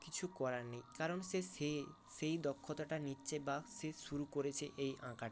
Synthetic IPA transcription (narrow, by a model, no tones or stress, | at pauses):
kit͡ʃʰukɔɾanejkaɾɔnsee | sejd̪ɔkʰːɔt̪aʈaniːt͡ʃebasesuɾukoɾet͡ɕʰeʔejʔã̰kaʈ